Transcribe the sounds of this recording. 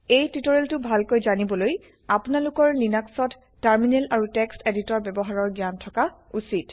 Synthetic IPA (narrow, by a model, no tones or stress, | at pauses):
ejtutɔɹeltʊbʱalkojzanibɔloj | apnalukɔɹlinaksɔtː | aɹminelaɹutɛksteditɔɹbɛbɔɦaɹɔɹɡjantʰɔkausit